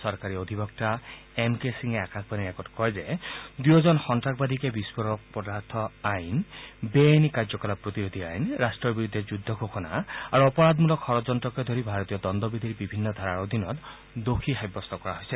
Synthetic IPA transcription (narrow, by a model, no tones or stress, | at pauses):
sɔɹkaɹiod̪ʱibɔkta | emkesiŋɛakakʰbaniɛkɔtkɔjzed̪ujɔzɔnxɔntɹakʰbad̪ʱikebispɔɾɔk̚pɔdaɹt̪ʰɔajnbenikaɹzɔkɔlapɹot̪iɾod̪ʱiajnɹastɹɔbiɹud̪ʱːɛzud̪ʱːɔkokʰɔna̰aɹuɔpɔɹad̪mulɔkʰxɔɹɔzɔntɹɔkɔed̪ʱoɾibʱaɹɔt̪ijɔd̪ɔnd̪ɔbid̪ʱiɾibibʱinːɔd̪ʱaɹaɹod̪ʱinɔt | d̪okʰixajbːɔst̪ɔkɔɹaɦojsɛ